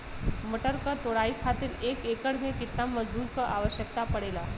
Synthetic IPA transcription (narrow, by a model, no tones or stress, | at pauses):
məʈəɾkat̪oːɽaːikʰaːt̪ɪɾeːkeːkəɽmẽkɪt̪namːɐzbuːɾkəɾʔa̰ːʋəʃjək̚t̪apɐɽeːlaː